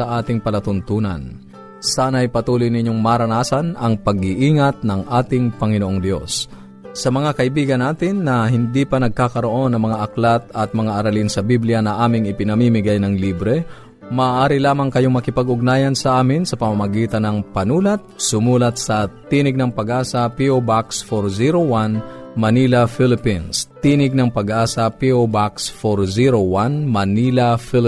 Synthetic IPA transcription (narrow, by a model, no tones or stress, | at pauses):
ɐʔaːt̪ɪŋpɐlɐt̪ʊnt̪uːnɐ̰n | saːnɐʔɐjpɐt̪uːlojnɪɲːoŋmaɾɐnaːsɐnɐŋpɐɡ̚ɪʔiːŋɐt̪̚nɐŋʔaːt̪ɪŋpɐŋɪnoʔoŋd̪jo̞̰sː | ɐmɐŋakɐʔɪbiːɡɐnːaːt̪ɪnːɐɦɪnd̪ipɐnɐɡ̚kaːkɐɾo̞ʔo̞nːɐŋmɐŋaʔɐklat̪ɐt̪̚mɐŋaʔɐɾɐlinsɐbiblɪjanɐʔaːmɪŋɪpɪnɐmiːmɪɡajnɐŋliːbɾɛ | maːʔaːɾɪlaːmɐŋkɐjoŋmɐkɪpɐɡʊɡ̚naːjɐnsɐʔaːmɪnsɐpɐmamɐɡiːt̪ɐnɐŋpɐnuːlɐt̪̚sʊmuːlɐt̪̚sɐt̪iːnɪɡ̚nɐŋpɐɡʔaːsɐpiobaksfoɾziɾowanmɐnilɐfɪlɪpinst̪iːnɪɡ̚nɐŋpɐɡʔaːsɐpiobaksfoɾziɾowanmɐnilɐfɪl